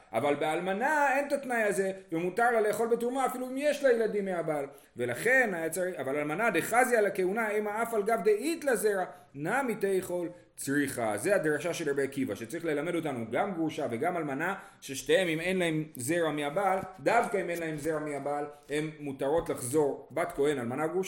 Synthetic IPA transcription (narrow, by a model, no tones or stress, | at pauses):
ʔa̰valbealmanae̞nt̪atnajaze̞vemutaʁlale̞ːχo̞lbetuʁmaːfiluimje̞ʃlajeladimːeabal | ve̞laχe̞najat͡saiavalalmanad̪eχazjalake̞unaemaafalɡavd̪eʔit̪laze̞ʁa | namitejχo̞l | t͡sʁiχaze̞ad̪ʁaʃaʃe̞labeakivaʃet͡saʁiχle̞lame̞do̞tanuɡamɡʁuʃave̞ɡamalmana | ʃe̞ʃtaemime̞nlahe̞mze̞ʁameabaldavkaime̞nlaɦe̞mze̞ʁameabalhe̞mːutaʁo̞tlaχzo̞ʁbatko̞e̞nalmanaɡuʃ